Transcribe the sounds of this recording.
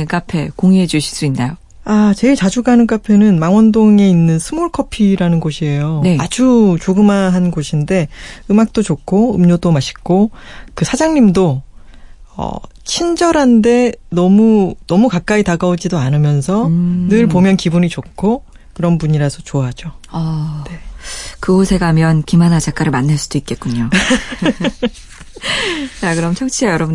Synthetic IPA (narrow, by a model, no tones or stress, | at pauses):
k͈apʰe̞̰koŋiɦed͡ʑuɕʰi̥ɭs͈uinːa̰jo | at͡ɕe̞iɭt͡ɕad͡ʑuɡanɯnk͈apʰe̞nɯnmaŋwʌndoŋe̞inːɯnsʰɯmoɭkʰʌpʰiɾanɯnɡoɕʰie̞jonead͡ʑut͡ɕoɡɯmaɦanɡoɕʰinde̞ɯmak̚t͈ot͡ɕokʰoɯmɲodomaɕʰi̥k͈okɯsʰad͡ʑaŋɲimdo | ʌ̰ | t͡ɕʰind͡ʑʌɾɦande̞nʌmunʌmukak̚k͈aitaɡaod͡ʑidoanɯmjʌnsʰʌnɯɭpomjʌnkibuɲit͡ɕokʰo | kɯɾʌnpuɲiɾasʰʌt͡ɕoaɦd͡ʑoʌne̞kɯɦosʰe̞ɡamjʌnkimanad͡ʑak͈aɾɯɭmanːaɭs͈ud̥oit̚k͈e̞t̚k͈uɲo | t͡ɕakɯɾʌmt͡ɕʰʌŋt͡ɕʰiajʌɾʌbu